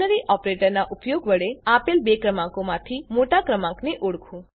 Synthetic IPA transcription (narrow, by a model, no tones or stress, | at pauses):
əɾiʔɔpɾeʈəɾnaʔupjoɡʋəɭeapelbekɾəmãŋkomãt̪ʰimoʈakɾəmãkneʔoɽkʰũ